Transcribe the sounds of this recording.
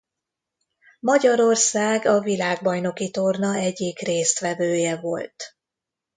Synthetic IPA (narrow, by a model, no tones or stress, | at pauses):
mɒɟɒɾo̞rsaːɡɒvilaːɡ̚bɒjno̞kit̪o̞rnɒɛɟːikreːst̪ʋɛdøːjɛvo̞̰lt̪